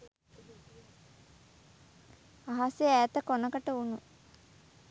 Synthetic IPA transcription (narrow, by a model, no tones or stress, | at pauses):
aɦasijəæːt̪əkonəkəʈəunu